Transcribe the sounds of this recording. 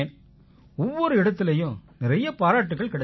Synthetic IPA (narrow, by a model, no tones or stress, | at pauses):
n | ɔʋːɔɾɯɪɽɐt̪ːɪlɐjɯ̃mnɪɾɐjɐpaːɾaːʈːɯɣːɐɭkɪɽɐ